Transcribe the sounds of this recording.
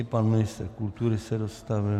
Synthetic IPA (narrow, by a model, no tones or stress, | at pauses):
ɪpanmɪnɪst̪rkult̪uɾɪsɛdost̪avɪ